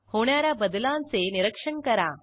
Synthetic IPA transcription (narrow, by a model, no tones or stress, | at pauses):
hoɳjaɾjabəd̪lãnt͡seniɾəkʂəɳkɐɾa